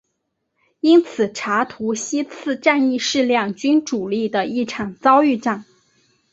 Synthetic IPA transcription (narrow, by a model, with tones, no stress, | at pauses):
i˥nt͡sʰɹ̩˨˩ʈ͡ʂʰa˧˥t̪ʰu˧˥ɕi˥t͡sʰɹ̩˥˧ʈ͡ʂa˥˧ni˥˧ʂɻ̩˥˧ljɑ˥˩ŋt͡ɕy˥nʈ͡ʂu˨˩li˥˩d̪ə˩i˥˩ʈ͡ʂʰɑ˨˩ŋt͡sɑ˥ʊy˥˧ʈ͡ʂɑ˥˩ŋ